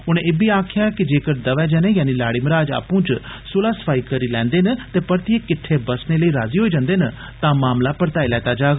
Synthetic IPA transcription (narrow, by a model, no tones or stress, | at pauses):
ʊnẽːebʱiːaːkʰɪjaːkɪd͡ʒeːkəɾd̪əʋɛːd͡ʒɛːnẽːjaːniːlaːɽiːməɾaːd͡ʒa̰ːpũːt͡ʃsʊlaːsə̥pʰaːiːkəɾiːlɛ̃ːnd̪eːnət̪eːpəɾt̪ieːkɪʈʰːeːbəsneːləiːɾaːziːɦoːiːd͡ʒãːnd̪eːnə | t̪ãːmaːmlaːpəɾt̪aːilɛːt̪aːd͡ʒaːɡ